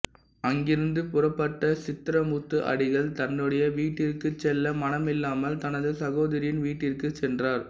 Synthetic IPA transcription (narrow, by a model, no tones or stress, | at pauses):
ɐŋɡɪɾɯnd̪ɯpʊrɐpːɐʈːɐsɪt̪ːɪɾɐmut̪ːɯʔɐ̰ɽɪɣɐɭt̪ɐnːɯɽɐjɐʋiːʈːɪrkɯt͡ʃːɛlːɐmɐnɐmɪlːaːmɐlt̪ɐnɐðɯsɐɣoːðɐɾɪjɪnʋiːʈːɪrkɯt͡ʃːɛndraːɾ